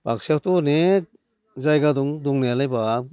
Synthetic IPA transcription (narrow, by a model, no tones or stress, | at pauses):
bak̚siawtɔne | zajɡadɔŋduŋnealajba